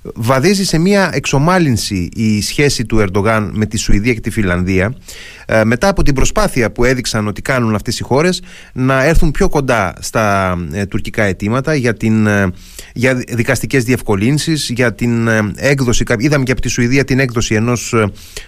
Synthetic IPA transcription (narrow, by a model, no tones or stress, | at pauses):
vɐðizise̞miɐe̞kso̞mɐlinsiʔisçe̞sit̪ue̞ɾd̪o̞ɣɐnme̞t̪isuiðiɐce̞t̪ifilɐnðiɐ | me̞t̪ɐːpo̞t̪̬ibɾo̞spɐθiɐpue̞ðiksɐno̞t̪i̥kɐnunɐft̪e̞sixo̞ɾe̞s | nɐe̞ɾθumpço̞ko̞nd̪ɐst̪ɐt̪uɾcikɐe̞t̪imɐt̪ɐʝɐt̪in | ʝɐðikɐst̪ice̞zðie̞fko̞linsizʝɐt̪inekðo̞sikɐiðɐmeceɐpot̪isuiðiɐt̪ine̞kðo̞sie̞no̞s